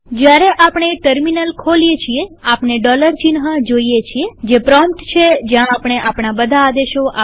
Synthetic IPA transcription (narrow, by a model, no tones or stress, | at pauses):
d͡ʒjaɾeʔapɳ̃eʈəɾminəlkʰoliet͡ʃʰieapɳeɖɔləɾt͡ʃinɦəd͡ʒoiet͡ʃʰied͡ʒepɾɔmpʈt͡ʃʰed͡ʒjãːpɳ̃eʔapɳabəd̪ʱaːd̪eʃoʔa